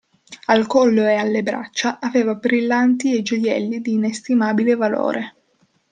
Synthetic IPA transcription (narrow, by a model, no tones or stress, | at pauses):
alkɔlːoealːebɾa̰t͡ʃːaʔaveːvabɾilːant̪ied͡ʒojɛ̰lːid̪iːnest̪imaːbilevalo̰ːɾʔe